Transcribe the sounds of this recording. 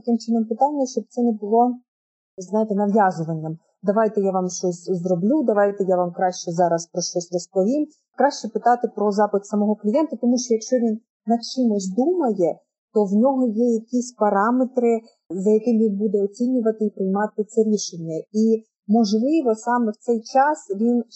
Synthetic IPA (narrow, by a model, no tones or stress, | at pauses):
t̪ɐkɪmt͡ʃɪnɔmpɪt̪ɑnʲːɐʃt͡ʃɔb̚t̪sɛnɛbʊlˠɔ | znɑjɪt̪ɛnɐʋjɑzʊʋɐnʲːɐm | d̪ɐʋɑjt̪ɛjaʋɑmʃt͡ʃɔsʲzɾɔblʲud̪ɐʋɑjt̪ɛjaʋɑmkɾɑʃt͡ʃɛzɑɾɐspɾɔʃt͡ʃɔsʲrɔspɔʋʲim | kɾɑʃt͡ʃɛpɪt̪ɑt̪ɪpɾɔzɑpɪt̪sɐmɔɦɔklʲijɛnt̪ɐt̪ɔmuʃt͡ʃɔjɐkʃt͡ʃɔʋʲinː | ɐt͡ʃɪmʊzʲd̪umɐjɛ | t̪ɔwnʲɔɦɔjɛjɐkʲisʲpɐɾɑmet̪ɾɪ | zɐjɐkɪmʋʲinbud̪ɛɔt͡sʲinʲʊʋɐt̪ɪipɾɪjmɑt̪ɪt̪sɛɾʲiʃenʲːɐi | mɔʒlˠɪʋɔsɑmɛwt̪sɛjt͡ʃɑsʋʲin